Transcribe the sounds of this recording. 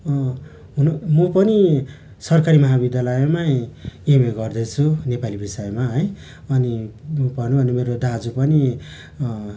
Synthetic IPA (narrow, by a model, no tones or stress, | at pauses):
ɦunmʌpʌni | sʌrkaɾimʌɦabid̪jalʌjmaemeɡʌrd̪ʌt͡sʰunepalibisʌjemaɦʌj | ʌnimupʌrnubʱʌnemeɾod̪ad͡zupʌni